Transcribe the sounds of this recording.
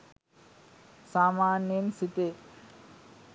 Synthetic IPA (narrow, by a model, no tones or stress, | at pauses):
saːmaːnjensit̪e